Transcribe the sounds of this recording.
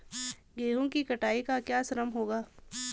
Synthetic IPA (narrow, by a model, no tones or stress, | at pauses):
ɡeːɦõkikɐʈaːikakjaːsɐɾəmɦoːɡaː